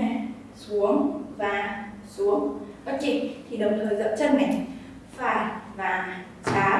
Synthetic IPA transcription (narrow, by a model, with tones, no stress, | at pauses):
su˨˦əŋvaː˨˩ | su˨˦əŋfaː˦˥t̚t͡ɕḭ˧˨ŋt̪ʰi˨˩ɗə˨˩wŋ͡mt̪ʰəː˨˩jzə̰˧˥wt͡ɕaː˧nmɛ̰˧˨ŋ | faː˨˩jvaː˨˩ | t͡ɕaː˨˦